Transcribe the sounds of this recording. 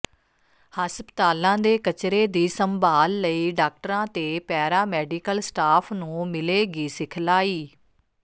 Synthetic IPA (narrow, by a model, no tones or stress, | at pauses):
həspət̪aːlãːd̪eːkət͡ʃɾeːd̪iːsəmbaːlːəiːɖaːk̚ʈəɾãːt̪eːpɛːɾaːmɛːɖiːkəlsʈaːpʰnũːmɪleːɡiːsɪkʰlaːiː